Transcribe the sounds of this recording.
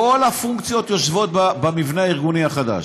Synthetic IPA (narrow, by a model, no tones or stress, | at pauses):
o̞lhafuŋkt͡sjo̞t̪joʃvo̞t̪̚babamivneaiʁɡuniaχad̪a̰ʃ